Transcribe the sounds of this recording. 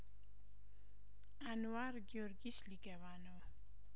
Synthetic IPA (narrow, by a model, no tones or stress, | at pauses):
anwaɾɡjoɾɡislikɛwanɔ